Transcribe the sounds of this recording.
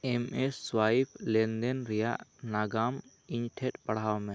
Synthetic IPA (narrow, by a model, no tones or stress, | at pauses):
ɛmɛsːwaipʰlɛnd̪ɛnɾɛjaʔnaɡam | iɲʈʰɛʈpaɽ̤awmɛ